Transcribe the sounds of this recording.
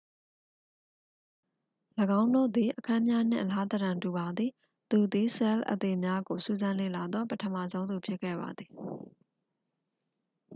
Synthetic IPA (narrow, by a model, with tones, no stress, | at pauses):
ləɡã˦ʊ̃ndo̰˦˨d̪i˨ʔəkʰã˦mja˦n̥ɪ̰̃˨ʔəla˦t̪əɾã˨ntu˨βa˨d̪ði˨ | t̪u˨d̪i˨sɛ˦lʔə̰˨t̪e˨mja˦ɡo˨sṵ˦˨zã˦nlḛ˦˨la˨d̪ɔ˦pətʰəma̰˦˨zõ˦ʊ̃nd̪u˨pʰjɪ˦ʔkʰːɛ̰˦˨ba̰˨d̪ði˨